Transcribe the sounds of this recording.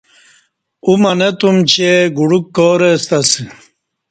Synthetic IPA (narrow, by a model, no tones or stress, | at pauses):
umɐnet̪umt͡ɕeɡuɽukːoːɾest̪ɐsi